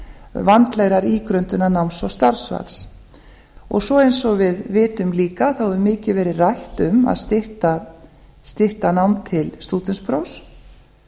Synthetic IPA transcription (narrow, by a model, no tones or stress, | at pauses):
vant̪lɛɣɾaɾiːkɾœnt̪ʏnːanawnsvawst̪aɾ̥sva̰ls | ɔ̰ɣsɔejnsɔɣvɪðvɪːt̪ʏmliːkaθawɛðʏmɪːcɪvɛːɾɪrajht̪ʏma̰ðst̪ɪr̥t̪a | st̪ɪr̥t̪anawmt̪ʰɪlst̪uːt̪ɪnspʰɾows